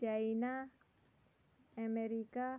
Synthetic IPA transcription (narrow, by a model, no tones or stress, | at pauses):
d͡ʒaina | ameɾika